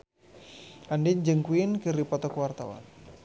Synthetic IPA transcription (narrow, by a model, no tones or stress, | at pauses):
andiɲd͡ʒəŋkwinkəɾipɔt̪ɔkwart̪awa̰n